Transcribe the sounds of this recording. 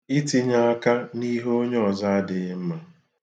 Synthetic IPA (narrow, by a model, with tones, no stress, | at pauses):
i˦ti˦ɲa˦a˦ka˦ni˦ɦo˦ɲ˦ɔ˨za˦a˦dɪ˨ɣɪ˦m̩˦ma˨